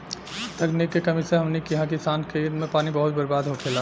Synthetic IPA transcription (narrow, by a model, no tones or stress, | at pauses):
t̪əknikːekəmiseɦəmnekiɦãkisaːnkʰeid̪mẽpaːnibəɦut̪̚bəɾbaːd̪ɦokʰela